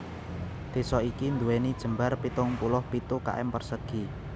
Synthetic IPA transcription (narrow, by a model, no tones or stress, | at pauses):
d̪̥e̤sɔikind̪uwenid̥ʒ̥ə̤mbarpit̪ʊŋpulʊhpit̪uka̰ʔɛ̰mpərsəɡ̥i